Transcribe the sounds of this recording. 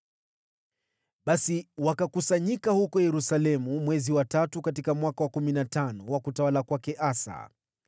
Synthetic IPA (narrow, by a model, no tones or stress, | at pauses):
ɓasiwakakusaɲikahukɔjɛɾusalɛmumwɛziwatatukatikamwakawakuminatanɔwakutawalakwakɛʔasa̰